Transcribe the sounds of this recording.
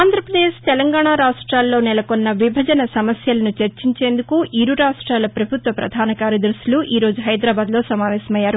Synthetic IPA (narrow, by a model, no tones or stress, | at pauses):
aːnd̪ʱɾɐpɾɐd̪eːʃt̪ɛlɐŋɡaːɳaːɾaːʂʈɾaːlːo̞ːnɛlɐkonːɐʋibʱɐd͡ʒɐnɐsɐmɐsjɐlɐnut͡ʃeɾt͡ʃiɲt͡ʃe̞ːnd̪ukuʔiɾuɾaːʂʈɾaːlɐpɾɐbʱut̪ʋɐpɾɐ̰d̪ʱaːnɐkaːɾjɐd̪ɐɾʃiluʔiːɾo̞ːd͡ʒuɦɐjd̪ɾaːbaːd̪lo̞ːsɐmaːʋɛːsɐmɐjːaːɾu